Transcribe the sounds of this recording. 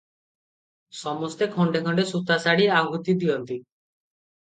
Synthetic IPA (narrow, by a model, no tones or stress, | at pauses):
sɔmɔst̪ekʰɔɳɖekʰɔɳɖesut̪asaɽiaɡʱut̪id̪iɔnt̪i